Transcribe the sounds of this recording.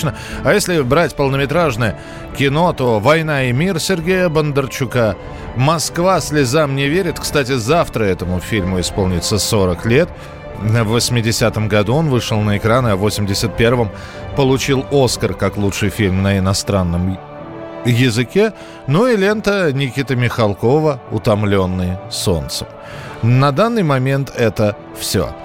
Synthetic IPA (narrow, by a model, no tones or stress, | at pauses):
nə | ajesʲlʲɪbɾatʲpəlˠnəmʲɪt̪ɾaʐnəjə | kʲɪno̞t̪o̞vɐjn̪aɪmʲirsʲɪrɡʲejəbənd̪ərt͡ɕʊka | mɐskvasʲlʲɪzamnʲɪvʲeɾʲɪt̪kst̪at̬ʲɪzaft̪ɾəɛt̪əmʊfʲilʲmʊɪspo̞lˠnʲɪt̪səso̞ɾəklʲe̞t̪ | əvːəsʲmʲɪdʲɪsʲat̪əmɡɐd̪uo̞nvɨʂəlˠnəɪkɾanɨɐvo̞sʲɪmʲdʲɪsʲət̪̚pʲe̞rvəm | pəlˠʊt͡ɕilˠo̞skərkaklˠut͡ʂʂɨjfʲilʲmnəɪnɐst̪ɾanːəm | jɪzɨkʲe̞ | nuɪlʲe̞nt̪ənʲɪkʲit̪əmʲɪxɐlˠko̞vəʊt̪ɐmlʲo̞nːɨjso̞̰nt̪səm | nɐd̪anːɨjmɐmʲe̞nt̪ʰɛt̪ə | fsʲo̰